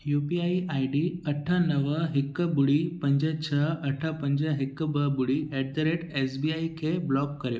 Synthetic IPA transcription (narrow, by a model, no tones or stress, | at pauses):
jupiaiʔajɖiːəʈʰanəʋəɦekːəbuɽiːpəɲd͡ʑat͡ɕʰaəʈʰapəɲd͡ʑaɦekːəbəbuɽiːɛɽt̪əɾeʈesbiaikʰeblɔkkəɾe